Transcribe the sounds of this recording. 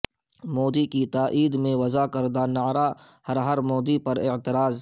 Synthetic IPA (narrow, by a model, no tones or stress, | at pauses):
moːd̪ikit̪aːʔiːd̪mẽʋɐzakɐɾd̪anaːɾa | hɐɾɦɐɾmoːd̪ipɐɾɪʕt̪ɪɾaːz